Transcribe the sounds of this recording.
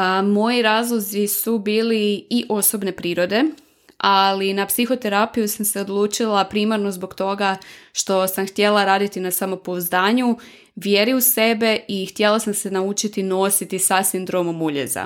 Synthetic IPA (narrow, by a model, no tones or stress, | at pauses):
mo̞jiɾaːzlˠo̞zisubiːliiʔo̞so̞bne̞pɾiːɾo̞d̪e̞ | ʔalinapsixo̞t̪e̞ɾapijusamse̞od̪lˠuːt͡ʃilˠapɾiːmaɾno̞zbo̞ɡt̪o̞ɡaʃt̪o̞samxt̪je̞lˠaɾaːd̪it̪inasamo̞pozd̪aːɲu | ʋje̞ɾiuse̞be̞ixt̪je̞lˠasamse̞naut͡ʃit̪ino̞sit̪isasind̪ɾo̞momuʎḛza̰